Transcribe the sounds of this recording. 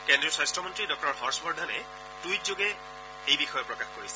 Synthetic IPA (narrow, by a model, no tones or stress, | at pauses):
kendɹiɔsastɹɔmɔntɹidɔk̚tɔɹɦɔɹsbɔɹdʱanɛ | tujtzoɡɛ | ejbixɔjɔpɹɔkaxkoɹisɛ